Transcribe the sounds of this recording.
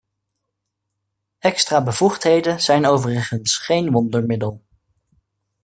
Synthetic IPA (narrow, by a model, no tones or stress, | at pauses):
ɛkstraːbəvuχtɦejdənz̥ɛjnowvərəχənsχejnʋɔndəɹmɪdəlˠ